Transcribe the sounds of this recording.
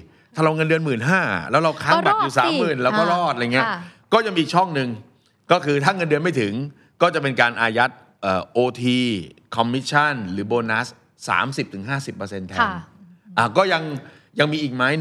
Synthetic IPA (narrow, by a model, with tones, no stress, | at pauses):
t̪ʰaː˥˩ɾa˧wŋɤ˧ndɯ˧ənmɯː˨˩nɦaː˥˩lɛː˦˥wɾa˧wkʰaː˥˩˧ba˨˩juː˨˩saː˨˦mːɯː˩˨˩nlɛː˦˥wkɔː˥˩ɾɔː˥˩t̪̚ʔŋi˦˥ɐkɔː˥˩ja˧miː˧˨˩k̚t͡ɕʰɔ˥˩ŋnɯ˧ŋ | kɔː˥˩kʰɯː˧t̪ʰaː˥˩ŋɤ˧ndɯ˧ənma˥˩jt̪ʰɯ˩˦ŋ | kɔː˥˩t͡ɕa˨˩p̬e˧nkaː˧nʔaː˧ja˦˥t̪̚ | ʔəː˨˩ʔoː˧t̪ʰiː˧kʰɔ˧mːi˦˥t̪̚t͡ɕʰa˥˩nɾɯː˩˦boː˧na˦˥s | sa̰ː˩˦msi˨˩p̚t̪ʰɯ˩˦ŋɦaː˥˩si˨˩pːəː˧se˧nt̪ʰɛ˧ŋʔaː˧˩kɔː˥˩ja˧ŋ | ja˧ŋmiː˧ʔiː˨˩k̚maː˦˥j